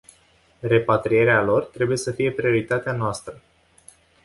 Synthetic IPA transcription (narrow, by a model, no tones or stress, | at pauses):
re̞pat̪ɾije̞ɾealo̞rt̪ɾe̞buje̞səfije̞pɾio̞ɾit̪at̪eanoast̪ɾə